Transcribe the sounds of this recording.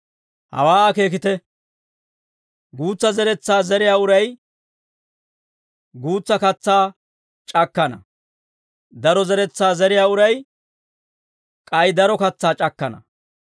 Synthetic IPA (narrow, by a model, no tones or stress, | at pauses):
hɐ̰waːɐke̞ːk̬ɪt̪ɛ | ɡuːt͡sːɐzɛɾɛt͡sːaːzɛɾɪjaːʊɾɐj | ɡuːt͡sːɐkɐt͡sːaː | t͡ʃʼɐkːɐnɐ̰ | d̪ɐɾɔzɛɾɛt͡sːaːzɛɾɪjaːʊɾɐj | kʼɐjd̪ɐɾɔkɐt͡sːaːt͡ʃʼɐkːɐnɐ̰